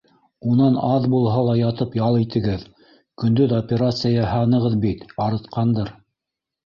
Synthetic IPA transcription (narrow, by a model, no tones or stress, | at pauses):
unɑnɑðbulˠɦɑlˠɑjɑt̪ɤpjɑlˠit̪ɘ̆ɡɘð | kɵ̆nd̪ɵðopʲeɾat̪sɨjɑhɑnɤ̆ʁɤðbit̪ɑɾɤ̆t̪qɑnd̪ɤɾ